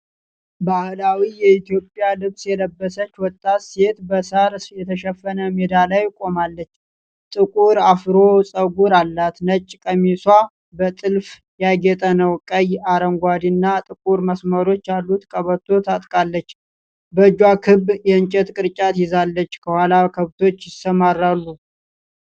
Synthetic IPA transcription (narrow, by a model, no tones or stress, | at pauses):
bahlawijɛit̪ʰjo̞pʼjalɨβsjɛləbːəsət͡ʃːwɔt̪ʼːase̞t̪bəsəɾjɛt̪ʰəʃɛfːənəmed̪alajkʼo̞malːət͡ʃː | t̪ʼɨkʼuɾafɾo̞sʼəɡuɾalːat̪nət͡ʃʼːkʼəmiswa | bət̪ʼɨlf | jaɡɛt̪ʼənəwkʼəjaɾəŋɡʷad̪inːat̪ʼɨkʼuɾməsməɾo̞t͡ʃːjalːut̪kʼəβət̪ʰːo̞t̪ʰat̪ʼkʼalːət͡ʃː | bəd͡ʒwakʰɨbːjɛɨnt͡ʃʼɛt̪kʼɨɾt͡ʃʼat̪jɪzalːət͡ʃːkʰəhwalakʰəβt̪ʰo̞t͡ʃːjɪsəmarːalːu